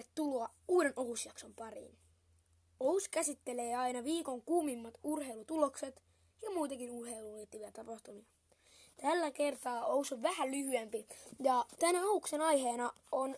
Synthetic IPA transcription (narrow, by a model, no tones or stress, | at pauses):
t̪tuluɑ | uːɾe̞noɦusjɑkso̞mpɑrḭːn | ouskæsit̪ːele̞ːɑinɑʋiːko̞ŋkumimːɑt̪urhe̞ilut̪ulo̞kse̞t̪ | jɑmuːt̪ekinurhe̞ilulit̪ːiʋiæt̪ɑpɑht̪umiɑ | t̪ælːæke̞rt̪ɑːousoʋʋæhælyhyempijɑt̪ænæɑukse̞nɑjɦeːnɑ | on